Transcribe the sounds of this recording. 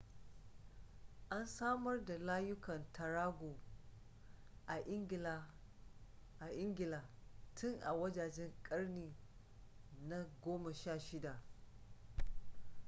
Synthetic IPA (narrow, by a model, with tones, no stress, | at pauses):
ʔa˦nsaː˦mɐ˦rda˨laː˦jʊ˦kɐ˨ntʰɐ˨ɾaː˦ɡʷoː˨ | ʔa˨ʔɪ˦ŋɡʲɪ˨laː˨ | ʔa˨ʔɪ˦ŋɡʲɪ˨laː˨tʊ˦ŋʔa̰˨wɐ˦d͡ʒaː˨d͡ʒɛ˦ŋkʼɐ˦rniː˨ | na˦ɡʷoː˦ma˨ʃaː˦˨ʃɪ˦da˨ʔ